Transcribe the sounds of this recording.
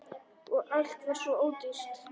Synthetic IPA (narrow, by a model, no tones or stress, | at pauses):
ɔɣal̥t̪vaɾ̥svɔoːwt̪ʏst̪